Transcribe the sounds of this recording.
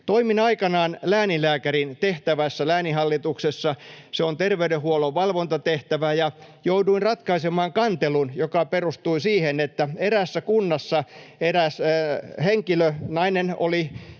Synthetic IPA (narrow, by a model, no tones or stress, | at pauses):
t̪oiminɑikɑnɑːnlæːnilæːkærint̪eht̪æʋæsːælæːnihɑlːit̪uksesːɑseont̪erʋeydehuoloʋʋɑlʋont̪ɑt̪eht̪æʋæjɑ | jouduinrɑt̪kɑisemɑːŋkɑnt̪elunjokɑperust̪uisiːhenet̪ːæeɾæsːækunːɑsːɑeɾæsheŋkilønɑineno̰li